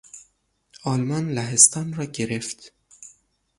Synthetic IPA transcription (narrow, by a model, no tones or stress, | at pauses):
ɒlmɒːnlæɦest̪ɒːnrɒːɡe̞ɾeft̪